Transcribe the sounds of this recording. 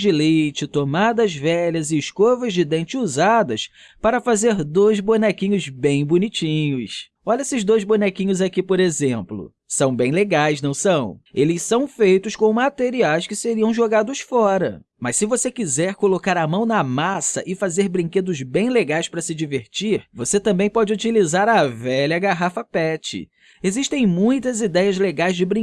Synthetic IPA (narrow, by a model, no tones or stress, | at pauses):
d͡ʒɪlejjt͡ʃɪt̪omad̪ɐzvɛʎɐzɪːskovɐzd͡ʒɪd̪ẽnt͡ʃɪuzad̪ɐs | paɾɐfazeɾd̪ojzbonɛkĩɲʊzbẽj̃bunit͡ʃĩɲʊs | ɔʎɐesɪzd̪ojzbonɛkĩɲʊzakipoɾezẽmplʊ̰ | sɐ̃w̃bẽj̃leɡajsnɐ̃w̃sɐ̃w̃elɪssɐ̃w̃fejt̪ʊskõmat̪eɾiajskɪseɾiɐ̃w̃ʒoɡad̪ʊsfɔɾɐ | mɐssːɪvosekizɛɾkolokaɾɐmɐ̃w̃nɐmasɐ̰ʔɪfazeɾbɾĩked̪ʊzbẽj̃leɡajspɾɐsɪd͡ʒiveɾt͡ʃiɾvoset̪ɐ̃mbẽj̃pɔd͡ʒɪut͡ʃilizaɾɐvɛlɐɡaɦafɐpɛt͡ʃɪ̰ | eziʃt̪ẽj̃mũj̃t̪ɐzid̪ɛjɐzleɡajzd͡ʒɪbɾĩ